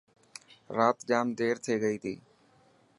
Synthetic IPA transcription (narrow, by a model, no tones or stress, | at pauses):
ɾaːt̪d͡ʒaːmd̪eːɾt̪ʰeːɡəiːt̪ʰḭː